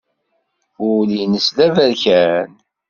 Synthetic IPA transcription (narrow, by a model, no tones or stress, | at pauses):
ʊlinəslævæɾçæn